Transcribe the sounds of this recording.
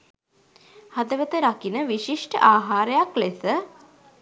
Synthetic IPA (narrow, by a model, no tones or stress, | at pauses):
had̪əʋət̪əɾakinəʋiʃiʂʈə̰ʔaːɦaːɾejaklesə